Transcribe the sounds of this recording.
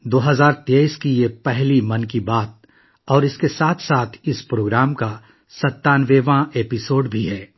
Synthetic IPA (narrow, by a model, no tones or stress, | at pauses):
d̪oːɦɐzaːɾt̪eːiskijepɛɦlimɐnkibaːt̪̚ | ɔːɾɪskesaːt̪ʰsaːt̪ʰɪspɾoːɡɾaːmka | sɐt̪ːaːnʋeːʋãʔepɪsoːɖbʱiɦɛː